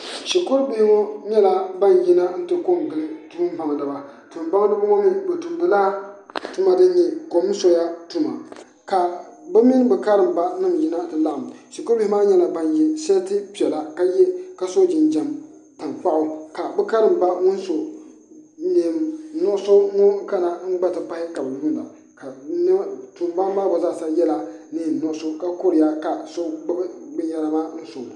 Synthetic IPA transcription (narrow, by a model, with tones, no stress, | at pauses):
ʃi˨ko˦ɾbi˦hɪ˦ŋɔ˦ɲɛ˦la˨ba˦n˨ji˦na˦n̩˦tɨ˨ko˦˨mɡɨ˨lɨ˦tu˦ɨ˦m˦ba˨ŋ˨dɨ˨ba˨ | tu˨m˨ba˦ŋ˦dɨ˦ba˦ŋɔ˦mi˦bɛ˨tu˨m˨bɨ˨laː˦tu˦ma˦dɨ˦n˦ɲɛ˨ko˨m˦so˦ja˦tu˦ma˨ | ka˨bɨ˦mi˦n˦bɨ˨ka˦ɾɨ˨mba˦nɨ˦˨mji˦na˦dɨ˨la˦ʔmʃi˨ko˦bi˦hɪ˦maː˦ɲɛ˦la˨ba˦nji˦sa˦tɨ˦pi˨ɛ˨la˨ka˦jɛ˦ka˨so˦d͡ʒɪ˨n˨d͡ʒɛ˨m | pɨ˨nk͡pa˦ʔʊ˦ka˨bɨ˦ka˦ɾɨ˨m˨ba˦ŋʊ˦nso˨ | ni˨m˨nɔ˦so˦ŋo˦ka˦na˨ŋ͡m̩˦ɡ͡ba˦tɨ˨pa˦hɪ˦ka˨bɨ˨wu˦n˨la̰˨ | ka˨n˦tu˨m˦ba˦m˦aː˦bo˨za˦˨sa˦jɛ˦la˦ni˦˨n˨nɔ˦˨˦so˦ka˦ko˦ɾɪ˨ja˦ka˨so˦ɡ͡bbɡ͡bɨ˦ja˦la˦maː˦n̩˦so˨